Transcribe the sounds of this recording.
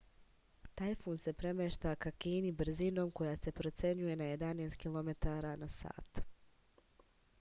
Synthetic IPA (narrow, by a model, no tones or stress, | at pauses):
t̪ajfuːnse̞pɾe̞meʃt̪akakiːnibr̩zino̞ːmko̞jaːse̞pɾo̞t̪sje̞ɲuje̞naje̞d̪aneːst̪kʲilˠome̞t̪aːɾaːnasa̰ːt̪